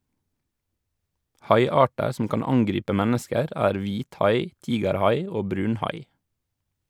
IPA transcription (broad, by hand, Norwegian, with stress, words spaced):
ˈhɑɪˌɑːʈəɾ sm̩ ˈkɑːn ˈɑŋɡɾiːpə ˈmɛnəskəɾ ˈæːɾ ˈʋiːtˌhɑɪ ˈtiːɡəɾˌhɑɪ ˈoː ˈbɾʉːnˌhɑɪ